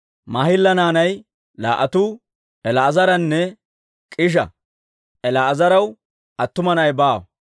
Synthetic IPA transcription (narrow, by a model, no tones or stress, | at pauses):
mɐhɪlːɐnaːnɐj | la̰ːʔɐt̪uː | ʔɛlɐːzɐɾɐnːɛ | kʼɪʃ̬ɐ̰ | ʔɛlɐːzɐɾɐw | ʔɐt̪ːʊmɐnɐjbaːw